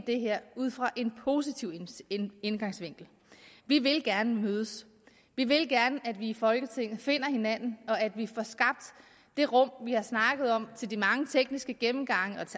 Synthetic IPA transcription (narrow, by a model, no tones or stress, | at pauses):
d̥e̝ɦeɐ̰uð̰ˠfʁɑ̈ʔe̝npʰo̝ːsit͡sʰiʊ̰enɡ̥ɑ̈ŋsʋe̝ŋ̰ɡ̥l̩ | ʋiʋe̝lɡ̥æɐnəmøːð̞ˠəs | ʋiʋe̝lɡ̥æɐnəʔæd̥ʋiːfɒ̽lɡ̥ət͡sʰe̝ŋ̰ð̩ˠfe̝n̰ɐhe̝næn̰n̩ɒ̽æd̥ʋifɒsɡ̥ɑ̈b̥̚d̥ː | e̝ʁɔ̽m̰ʋihɑ̈snɑ̈ɡ̥ð̞̩ˠɒ̽m̰t͡sʰe̝ld̥imɑ̈ŋət͡sʰeɡ̥nisɡ̥əɡ̥emm̩ɡ̥ɑ̈ŋ̰əɒ̽t͡sʰe